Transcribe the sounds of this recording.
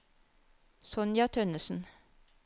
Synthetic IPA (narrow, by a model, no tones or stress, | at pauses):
sɔnjɑt̪ʰœnəsn̩